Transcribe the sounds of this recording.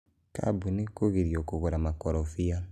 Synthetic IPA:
ka̰bunikoɡiɾiokokoɾamakɔɾɔfija

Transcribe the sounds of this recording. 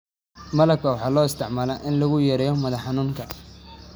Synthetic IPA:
mɐlɐb̚kʰɐwɑħɑːlɔːɪst̪ʰɪʕmaːlɛʔɪnlɐɣʊjɛɾɛjɔmɐðɐħɑnuːŋkʰɐ

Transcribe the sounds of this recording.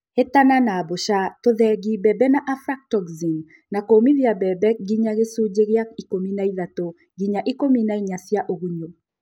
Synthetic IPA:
etananaboʃatoðɛɡibɛbɛnaʔafɾak̚tɔɡziŋ | nakomiðjabɛbɛkɡiɲaɣesud͡ʒeɣjaikominaiðato | ɡiɲaʔikominaiɲasjaʔoɣuɲo

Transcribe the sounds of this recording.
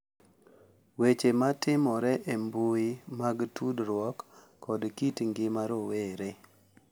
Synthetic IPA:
wet͡ʃematɪmɔɾɛʔembuimaɡtʰudɾwɔkː | ɔdkitŋɡɪmaɾoweɾe

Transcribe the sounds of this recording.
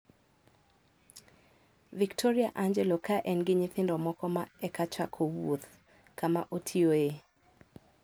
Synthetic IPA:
viktʰɔɾiaʔaɲd͡ʒɛlɔkaʔɛnɡɪɲɪt̪ɪndɔmɔkɔmaɛkat͡ʃakʰɔwo̰t̪ | kama̰ʔotʰioe

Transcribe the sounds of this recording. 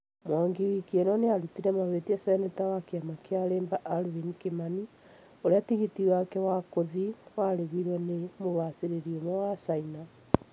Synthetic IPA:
mwaŋɡiwikienɔneaɾutiɾɛmaβetiasainɛtawakeamakeaɾeːmbaʔaɾwinikemani | oɾeatiɣitiwakɛwakoðiwaɾeβiɾwɛnemoβaseɾeɾiomɔwasaina

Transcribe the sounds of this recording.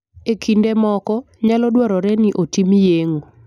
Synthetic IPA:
ekʰindemɔkɔ | ɲalɔdwɔɾɔɾɛniʔotimjeŋo

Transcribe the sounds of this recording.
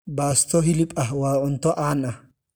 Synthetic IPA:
baːst̪ɔɦɪlɪpʼɐwaːʔʼʊnt̪ɔʔaːnʔɐ

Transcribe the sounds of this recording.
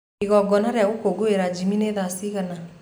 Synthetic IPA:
iɣɔɡɔnaɾaɣokoɡoeɾad͡ʒimineðasiɣana

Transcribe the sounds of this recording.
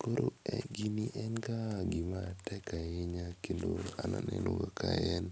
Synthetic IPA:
koɾoɛɡiniʔɛnɡaɡɪmatɛkajeɲakkendoananɛnoɡakʰajɛn

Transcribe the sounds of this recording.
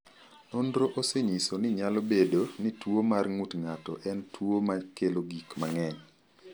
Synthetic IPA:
nondɾoʔoseɲisonɪɲalobedonɪtwomarŋutŋatɔ̰ʔɛntʰwomakeloɡikmaŋɛɲ

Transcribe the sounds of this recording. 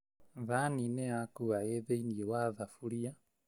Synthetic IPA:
ðaninɛakuaɛðɛiniɛwaðafuɾia

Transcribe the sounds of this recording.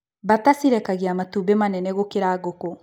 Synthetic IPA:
batasiɾɛkaɣeamatuːbemanɛnɛɣokeɾaːɣokɔ

